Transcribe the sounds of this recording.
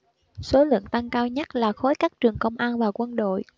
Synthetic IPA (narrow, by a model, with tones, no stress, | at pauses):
so˨˦lɨ̰˧˨əŋt̪a˧ŋkaː˧wɲə˦˥t̚laː˨˩xo˨˦jkaː˦˥k̚t͡ɕɨ˨˩əŋkə˧wŋ͡mʔaː˧nvaː˨˩kwə˧nɗo̰˧˨j